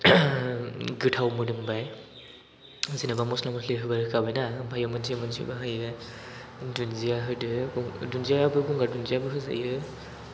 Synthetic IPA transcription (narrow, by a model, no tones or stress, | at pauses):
ɡɯtʰawmɯdɯmbaj | zinabamɔslamɔsʰliɦɯbaɾɯkabenabʱajɔmanziamɔnzḭbaɦajɯ | dunzijaɦɯdɯuŋdunziabɯɡuŋɡadunziabɯɦɯza̰jɯ